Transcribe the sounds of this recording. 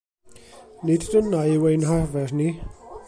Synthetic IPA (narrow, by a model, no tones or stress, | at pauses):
niddənːajwejnɦarvɛrni